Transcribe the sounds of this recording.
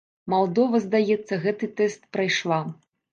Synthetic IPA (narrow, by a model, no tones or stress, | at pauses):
malˠd̪ɔvɐzd̪ajɛt̪sːɐɣɛt̪ɨt̪ɛst̪̚pɾajʂlˠa